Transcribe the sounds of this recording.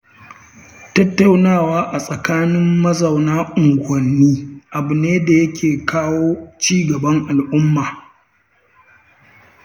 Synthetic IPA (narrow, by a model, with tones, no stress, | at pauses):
tɐ˦tːa˦wnaː˦˨waː˦ʔa˨sʼɐ˨kaː˦nɪ˦mːɐ˦zɐ˨wnaː˦ʔʊ˨ŋɡʷɐ˨nːiː˦ʔa˨bʊ˨neː˦da˨jɐ˦kʲʰeː˨kaː˦woː˦t͡ʃiː˦ɡɐ˨bɐ˦ŋʔa˨lʔʊ˦mːaː˨